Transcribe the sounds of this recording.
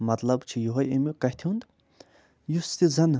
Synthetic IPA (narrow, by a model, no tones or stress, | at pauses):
mɐt̪lɐbt͡ʃʰijoɦɐjemukɐht̪ʰiund̪ | just̪izɐn